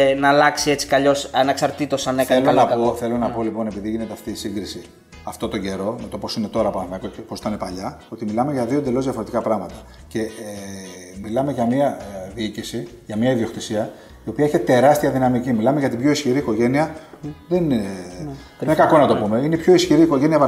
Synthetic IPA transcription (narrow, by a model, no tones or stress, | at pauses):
nɐlɐksiet͡si̥kɐʎo̞sɐnɐksɐɾt̪it̪osɐneθkɐelonɐpoθe̞lo̞nɐpo̞lipo̞ne̞piðiʝine̞t̪eɐft̪iːsiŋɡɾisi | ɐft̪o̞t̪o̞ɲɟe̞ɾo̞me̞t̪o̞po̞sine̞t̪o̞ɾɐpɐnmekoeposi̥t̪ɐnepɐʎɐo̞t̪imilɐmeʝɐðio̞nd̪e̞lo̞zðiɐfo̞ɾe̞t̪ikɐpɾɐɣmɐt̪ɐ̥ | ce̞ | milɐmeʝɐmiɐðiicisi | ʝɐmɲɐiðio̞xt̪isiɐ | io̞piɐiçet̪e̞ɾɐst̪iɐðinɐmicimilɐme̞ʝɐt̪ibʝo̞isçiɾiːkoʝe̞niɐ | ðen | enkɐko̞nɐt̪o̞pume̞inepço̞isçiɾiːko̞ʝe̞niɐ